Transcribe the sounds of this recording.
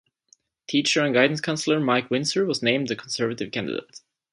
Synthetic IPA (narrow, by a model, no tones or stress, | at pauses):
tʰit͡ʃə˞ɨ̃nɡaɪdⁿn̩skʰãnsl̩ˠə˞maɪkʰwɪ̃nsə˞wʌznẽɪ̃md̪ðɨkʰn̩sɜ˞vətɨv̥kʰæ̃ndɪ̰dḛɪt